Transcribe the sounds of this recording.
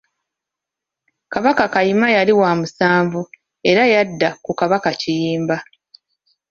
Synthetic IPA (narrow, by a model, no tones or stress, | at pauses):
kaβakakajimajaliwaːmusaːɱvu | e̞ɾajadːakukaβakacijiːmba